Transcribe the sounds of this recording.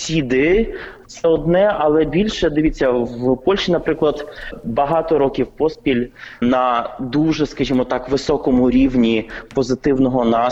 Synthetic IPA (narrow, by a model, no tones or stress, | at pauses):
sʲid̪ɪtt̪sɛɔd̪nɛɐlˠɛbʲilʲʃɛd̪ɪʋʲitt͡sʲːɐwpɔlʲʃinɐpɾɪklˠɐd̪bɐɦɑt̪ɔɾɔkʲiwpɔspʲilʲnɐd̪uʒɛskɐʒʲimɔt̪ɑkʋɪsɔkɔmʊɾʲiwnʲipɔzɪt̪ɪwnɔɦɔnɑ